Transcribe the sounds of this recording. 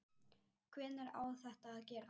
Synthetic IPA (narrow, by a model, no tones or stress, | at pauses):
kʰvɛːnɛɾa̰ːwθɛht̪aːðcɛːɾa